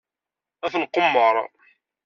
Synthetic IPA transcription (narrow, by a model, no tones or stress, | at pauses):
æθənqːomːəɾˤ